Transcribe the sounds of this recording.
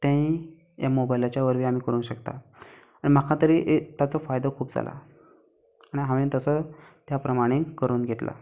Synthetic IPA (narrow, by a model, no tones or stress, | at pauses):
t̪jãɦĩ | jamobajlat͡ɕjaʋəɾʋiːam̤iːkəɾuːnɕəkt̪a̰ | aɽ̃im̤akʰat̪əɾiːʔt̪jat͡səfajd̪əkʰuːpd͡za̰lʔa̰ | aɽ̃iɦaʋĩːt̪əsət̪japɾəmaɽ̃ikəɾuːnɡʱet̪la̰